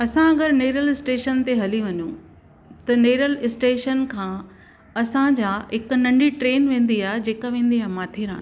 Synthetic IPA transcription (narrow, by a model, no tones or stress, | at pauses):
ɐsãɐɡəɾneːɾəlɪsʈeːʃənt̪eɦɐliʋɐɲũ | t̪ɐneːɾəlɪsʈeːʃənkʰãː | ɐsãd͡ʑaːɦɪk̆nɐ̃ɳɖiʈɾeːnʋẽːn̆d̪iaːɦed͡ʑeːkaʋẽːn̆d̪iaːɦemaːt̪ʰeɾã̰ːn